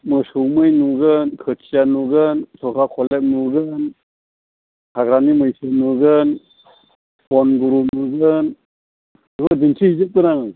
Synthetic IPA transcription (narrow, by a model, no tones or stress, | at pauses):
mɯsɯwmɯjnuɡɯnkʰɯtʰijanuɡɯntʰɔkʰakʰɔlek̚nuɡɯn | hʰaɡɾanimɯjsʰɯnuɡɯn | pɔnɡuɾunuɡɯn | ɯbɯdintʰɯhizɯp̚kɯnaŋ